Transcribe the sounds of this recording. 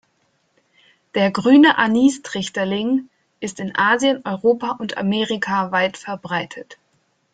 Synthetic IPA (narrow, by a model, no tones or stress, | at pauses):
d̥eːɐɡʁyːnəʔaniːstʁ̥ɪçtɐlɪŋ | ʔɪstɪnʔaːzjənʔɔʏʁoːpaʔʊntʰa̰meːʁikʰavaɪtfɛɐbʁaɪtʰət